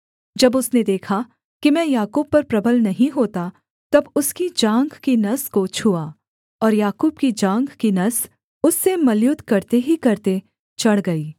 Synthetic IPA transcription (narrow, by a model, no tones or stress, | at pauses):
d͡ʒɐbʊsned̪eːkʰa | kimɛ̃ːjaːkuːb̚pːɐɾpɾɐbəlnɐɦĩɦoːt̪a | t̪ɐbʊskid͡ʒãːŋɡkinɐskot͡ʃʰuaː | ɔːɾjaːkuːbkid͡ʒãːŋɡkinɐs | ʊsːemɐljʊt̪kɐɾt̪eɦikɐɾt̪e | t͡ʃɐɽɡɐiː